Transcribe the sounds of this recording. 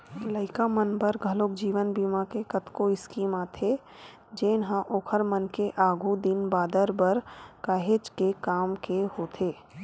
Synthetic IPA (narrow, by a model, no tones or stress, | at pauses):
ləɪkamənbəɾɡʱəloːkd͡ʒiːʋənbiːmakekət̪koɪskiːmat̪ʰe | d͡ʒeːnɦãʔoːkʰəɾmənkeʔaːɡʱud̪ɪnbaːd̪əɾbəɾkaːɦeːt͡ʃkekaːmkehoːt̪ʰeː